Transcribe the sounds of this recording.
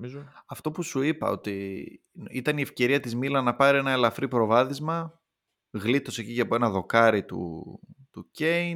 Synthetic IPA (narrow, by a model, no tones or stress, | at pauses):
mizoɐft̪o̞pusuipɐ̰o̞̰t̪i | it̪ɐniefce̞ɾiɐt̪izmilɐnɐpɐɾie̞nɐe̞lɐfɾipɾo̞vɐðizmɐ | ɣlit̪o̞seciʝɐpoe̞nɐðo̞kɐɾit̪ṵt̪uce̞in